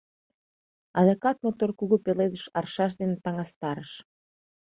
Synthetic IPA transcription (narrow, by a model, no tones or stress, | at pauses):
ɑðokɑt̪̚mot̪orkuɣupeled̪əʃɑrʃɑʃ̬d̪enet̪ɑŋɑst̪ɑɾəʃ